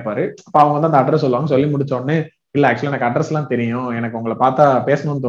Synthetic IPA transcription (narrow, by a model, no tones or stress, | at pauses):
pːaːɾɯɐpːoːɐʋɐŋɡɐnaɐnd̪ɐʈɾɐs̬ɔlːɯʋaːŋɡɐsɔlːimʊɽɪt͡ʃːoːnːɯ | ɪlːɛːk̚t͡ʃʊɐliɛnɐkːɐʈɾɐsɛlãːt̪ɛɾɪjʊ̃ɛnɐkːɯʊŋɡɐɭɐpaːɾt̪aːpeːsɐnʊ̃nːɯt̪o